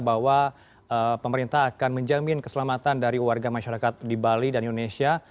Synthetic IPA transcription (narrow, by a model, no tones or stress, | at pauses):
bawa | əpəməɾint̪aɦːkanməɲd͡ʒamɪnkəsəlamat̪andaɾiwarɡamaʃaɾakat̪̚dibalidanʔindonesia